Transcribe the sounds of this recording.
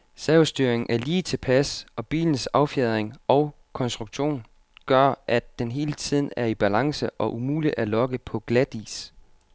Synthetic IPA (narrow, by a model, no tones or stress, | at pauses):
sɛʊsd̥yɐ̰eŋ̩ʔæɐliːt͡sʰe̝pʰæsɒ̽b̥ḭːln̩sɑ̈ʊfjeðˠɐʁeŋʔɒ̽ʊ | kʰɒ̽nsd̥ʁuɡ̥ɕo̝̰ːn | ɡ̥ɶɐ̰ʔæd̥ːenɦe̝ːlət͡sʰið̰ˠn̩æɐib̥ælɑ̈ŋsəʔɒ̽ʔumuːliælɒ̽ɡ̥əpʰɒ̽ɡ̥læd̥ḭːs